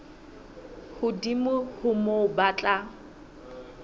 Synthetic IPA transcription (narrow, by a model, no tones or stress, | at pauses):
hʊdimʊhʊmobat͡ɬʼa